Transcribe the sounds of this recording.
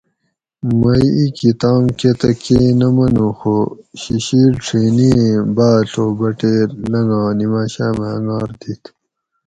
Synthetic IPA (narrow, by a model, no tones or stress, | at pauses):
mɐjikit̪aːmket̪ɐkeːnɐmɐnuxoɕiɕiːɾʈ͡ʂʰiːniːbaːɬoːbɐʈeːɾlɐŋɡãːnimaːɕaːmeɐŋɡaːɾd̪it̪ʰ